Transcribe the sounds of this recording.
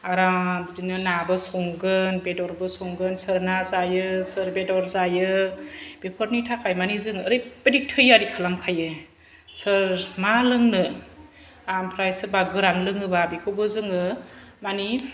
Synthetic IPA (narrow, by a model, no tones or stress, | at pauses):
aɾabzinɯnabɯsɔŋɡɯnbedɔɾbɯsɔŋɡɯnsɯɾnazajɯsɯɾbedɔɾzajɯ | b̥epʰɔɾnitʰakʰajmanizɯŋɯɾɯjbedik̚tʰɯjaɾikʰalaŋkʰajɯ | sɯɾmalɯŋnɯ | ampʰɾajsɯbaɡɯɾanlɯŋɯbabikʰɯbɯzɯŋɯmani